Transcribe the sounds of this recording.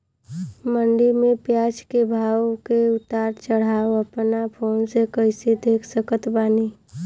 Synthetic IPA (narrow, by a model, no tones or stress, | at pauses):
məɳɖimẽpjat͡ʃkebʱaːwkeʊt̪aɾt͡ʃəɽ̤aːoəpnapʰoːnsekəɪsed̪ʱeːkʰsəkət̪baːni